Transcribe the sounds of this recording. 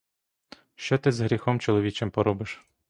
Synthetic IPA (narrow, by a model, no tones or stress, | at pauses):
ʃt͡ʃɔt̪ɪzɦɾʲixɔmt͡ʃɔlˠɔʋʲit͡ʃɪmpɔɾɔbɪʃ